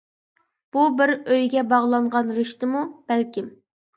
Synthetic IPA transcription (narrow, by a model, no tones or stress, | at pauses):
b̥ubɪɾøjɡʲɛbɑʁlˠɑŋʁɑnɾɪʃt̪ɨmub̥ɛlkʲim